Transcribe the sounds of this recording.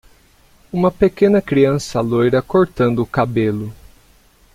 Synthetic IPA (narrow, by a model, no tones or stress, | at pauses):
ũmɐpekẽnɐkɾiɐ̃sɐlojɾɐkoɾt̪ɐ̃nd̪ʊːkabelʊ